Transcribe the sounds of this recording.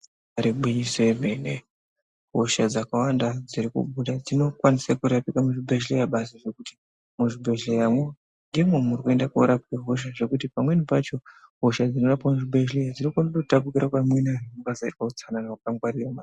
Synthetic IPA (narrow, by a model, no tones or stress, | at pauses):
aɾiɓwiɲisoemene | ɦo̞ʃad͡zakawandad͡ziɾikṵɓuɗad͡zino̞kwanisakuɾapikamuʐibʱeʃlejaɓas̬aʐe̞kuti̥ | muʐibʱe̞ɮejamwe | nɡimwemuɾikue̞ndakoɾapikaɦo̞ʃ̬aʐe̞kutipamwe̞nipat͡ʃo̞ɦo̞ʃad͡zino̞rapamuʐibʱe̞ʃlejad͡zinokanaoutapukiɾakwamwenaubasaitwaut͡sananaakaŋɡwaɾirama